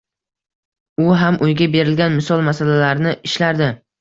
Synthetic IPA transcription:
ʊɦamʔʊjɡʲabe̞ɾɪlɡʲanmɪsɒlˠmasalalaɾnɪʔɪʃlaɾd̪ɪ

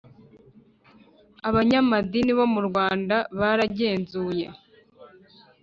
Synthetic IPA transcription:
aβaɲamadiniβo̞muɾɡwaːndaβaɾaɟe̞ːnzuːje̞̰

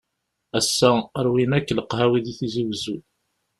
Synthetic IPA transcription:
æsːæəɾwinækːləqɦæwiðiθiziwzu

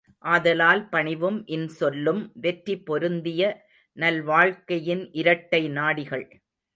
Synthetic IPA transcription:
ʔaːðɐlaːlpɐɳɪʋɯmʔɪnsɔlːɯmʋɛʈɾipːɔɾɯnd̪ɪjɐ | nɐlʋaːɻkɐjɪnʔɪɾɐʈːɐɪnaːɽɪɣɐɭ

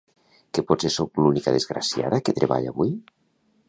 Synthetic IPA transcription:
kepɔsesowklunikaðezɣɾa̰sja̰ðaket̪ɾeβa̰ʎa̰βuj

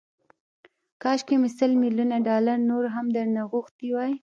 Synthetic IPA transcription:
kɑʃkemisəlmilunaɖɑlaɾnoɾɦamd̪əɾnaɣuxt̪iwɑj

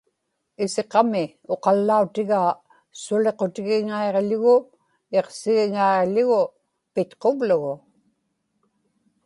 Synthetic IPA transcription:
ɪse̞qɑmɪ | o̞qɑlːaut̪ɪɣaː | sʊle̞qo̞t̪ɪɣɪŋaeʁʎʊɣʊ | e̞qsɪɣɪŋaeʁʎʊɣʊ | pɪt̪qo̞vlʊɣʊ

